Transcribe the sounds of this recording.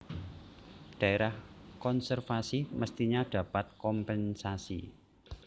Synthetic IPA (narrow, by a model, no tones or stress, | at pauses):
ɖ̥a̤eɾahkɔnsɛrfasiməst̪iɲaɖ̥ä̤pat̪̚kɔmpɛnsasḭ